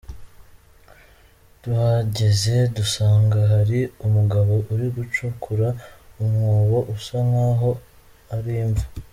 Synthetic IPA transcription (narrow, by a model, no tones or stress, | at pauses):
d̥uhaɟeze̞dusaːŋɡaɦaɾiumuɡaβo̞ʔuɾiɡut͡ʃukʰuɾaumŋoːβo̞ʔusaŋaɦo̞ | aɾiːɱvu